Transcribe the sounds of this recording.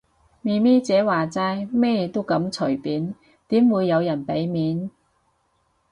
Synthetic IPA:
miː˨˧mɛː˥t͡sɛː˨˥waː˨t͡saː˧jmɛː˥jt̪o˥wkɐ˨˥mt͡sʰɵ˨˩jpiː˨˥n | t̪iː˨˥mwuː˨˧jːɐ˨˧wjɐ˨˩npe˨˥jmiː˨˥n

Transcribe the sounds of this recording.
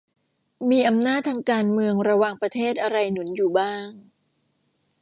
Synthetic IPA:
miː˧ʔa˧mnaː˥˩t̪ʰːaː˧ŋkaː˧nmɯ˧əŋɾa˧waː˨˩ŋpɾa˧t̪ʰeː˥˩t̪̚ʔa˧ɾa˧jnu˩˦njuː˨˩baː˥˩ŋ

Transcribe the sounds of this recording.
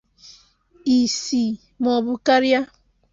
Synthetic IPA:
i˨si˨ | mɔ˨bu˦ka˦ɾja˦

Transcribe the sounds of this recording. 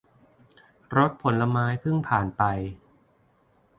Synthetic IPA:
ɾo˦˥t̪̚pʰo˩˦nla˧maː˦˥jpʰɯ˥˩ŋpʰaː˨˩npa˧j

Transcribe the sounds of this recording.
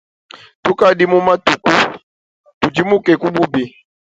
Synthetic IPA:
tu˦ka˦di˦mu˦ma˦tu˨ku˦ | tu˨d͡ʒi˦mu˦kɛ˨ku˦bu˦bi˨

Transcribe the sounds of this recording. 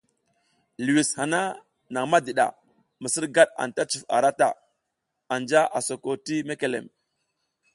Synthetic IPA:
lu˨wi˨sha˨na˦ | na˨ŋma˦di˨ɗa̰˨ | mə˨sə˦ɾɡa˦ɗa̰˨nta˦t͡ʃu˨fa̰˨ɾa˦ta̰˨ | a˨nd͡ʒa˦ʔa˨so˨ko˨ti˦me˦ke˨lḛ˨m

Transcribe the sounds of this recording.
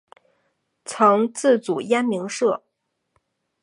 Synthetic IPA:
t͡sʰɤ˧˥ŋt͡sɹ̩˥˩t͡su˨˩ja˥nmi˧˥ŋʂɤ˥˩

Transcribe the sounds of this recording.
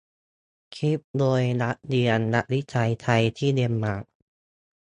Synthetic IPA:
kʰi˦˥p̚d̪oː˧jna˦˥ʔdi˧ənːa˦˥ʔli˦˥t͡ɕʰa˧jt̪ʰa˧jt̪ʰiː˥˩di˧mːaː˨˩k̚

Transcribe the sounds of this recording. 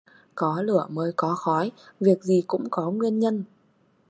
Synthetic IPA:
kɔ˨˦lɨ˧˩əməː˨˦jkɔ˨˦xɔ˨˦jvi˨˩ək̚zi˨˩kʊ̰˧˥ŋ͡mkɔ˨˦ŋwi˧ənɲə˧n

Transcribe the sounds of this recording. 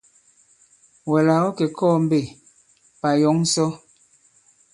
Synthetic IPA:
wɛ˨la˨ɔ˦kɛ˨kʰɔː˦˨m˦be˦˨ | pa˨jɔ˨˦ŋ̩˦sɔ˦

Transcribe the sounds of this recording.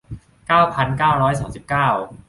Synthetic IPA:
kaː˥˩wpʰa˧nkaː˥˩wɾɔː˦˥jsaː˩˦msi˨˩p̚kaː˥˩w

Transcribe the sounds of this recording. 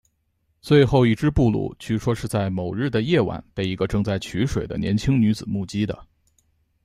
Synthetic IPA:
t͡swe˥˧ɪxo˥˧ʊi˥˩ʈ͡ʂɻ̩˥pu˥˧lṵ˥˩t͡ɕʰy˥˩ʂwɔ˥ʂɻ̩˥˧t͡sa˥˩ɪmo˨˩ʊɻɻ̩˥˩d̪ə˩jɛ˥˩wa̰˨˩˦npe˥˩ɪi˧˥ɡə˧ʈ͡ʂɤ˥˧ŋt͡sa˥˩ɪt͡ɕʰy˧˥ʂwe˨˩ɪd̪ə̰˦njɛ̰˧˥nt͡ɕʰi˥ŋny˧˥t͡sɹ̩˨˩mu˥˩t͡ɕi˥d̪ə̰˨

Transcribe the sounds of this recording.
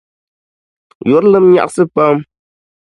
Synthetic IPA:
jo˨˦ɾlɨ˦mɲa̰˨ʔsɨ˦pə˦m

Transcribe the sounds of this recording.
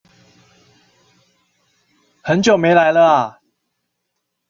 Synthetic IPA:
hə˨˦nt͡ɕjo˨˩ʊme˨˦ɪla˧˦ɪlə˧a˨

